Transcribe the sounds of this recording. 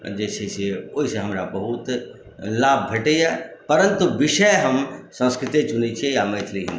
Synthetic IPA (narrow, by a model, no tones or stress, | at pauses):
d͡ʒɛːseseoːisẽɦɐmɾabɐɦut̪ | laːb̚ʱbʱeʈeapəɾə̃nt̪uʋɪʃəjɦɐmsə̃nskɾɪt̪et͡ʃʊnit͡ʃʰiejamɐjt̪ʰliɦḭ̃ni